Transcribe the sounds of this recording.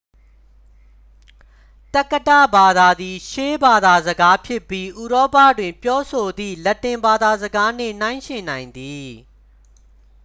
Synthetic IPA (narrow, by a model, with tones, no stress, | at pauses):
tɛ˦kːə˦tä̰˦˨ba˨d̪a˨d̪i˨ʃe˦ba˨d̪a˨zəɡa˦pʰjɪ˦pːji˦ʔu˨ɾɔ˦pä̰˦˨dwɪ̃˨mpjɔ˦sʰo˨d̪ḭ˦˨lɛ˦tːɪ̃˨mba˨d̪a˨zəɡa˦n̥ɪ̰̃˦˨n̥ã˦ɪ̃ʃɪ̃˨nã˨ɪ̃nd̪i˨